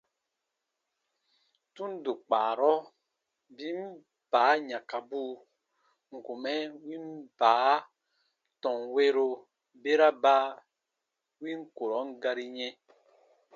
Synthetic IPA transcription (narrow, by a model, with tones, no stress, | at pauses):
tu˦n˦do˨k͡paː˨ɾɔ˦ | bi˦m˦ | b̥aː˨˦ɲã˨ka˨buː˦ | ŋ̩˨ku˨mɛ˦wi˦m˦baː˨˦ | tɔ̃˨ŋwe˦ɾo˨ | be˦ɾa˦ba˦ | wi˦ŋ̩˦ko˨ɾɔ˨˦ŋ˦ɡa˦ɾi˦ɲɛ˦